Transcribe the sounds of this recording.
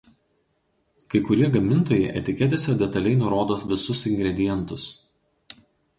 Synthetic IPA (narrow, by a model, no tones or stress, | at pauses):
kɐɪkʊɾʲiɛɡɐmʲɪnˑt̪oːjɛɪʔɛ̰t̪ʲɪkʲɛt̪ʲesʲɛd̪ʲɛt̪ɐlʲɛɪnʊɾoːd̪oːsʋʲɪsʊsɪŋʲɡɾʲɛd̪ʲɪjɛnˑt̪ʊs